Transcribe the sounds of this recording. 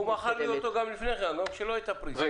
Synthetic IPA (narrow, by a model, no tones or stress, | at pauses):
umaχalːijot̪oɡamlifneʁeanomʃeloajt̪apɾiza